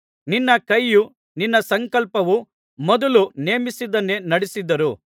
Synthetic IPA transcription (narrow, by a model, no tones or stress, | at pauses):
ninːɐkɐjːu | ninːɐsɐŋkɐlpɐʋu | mɔd̪ɐluneːmisid̪ɐnːe̞nɐɽisid̪ːɐɾu